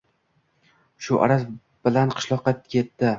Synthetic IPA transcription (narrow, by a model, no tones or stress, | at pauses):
ʃʊʔa̰ɾas | b̥ɪlanqʰɨ̥ʃlˠɒqːɑkʲʰe̞t̪ːɪ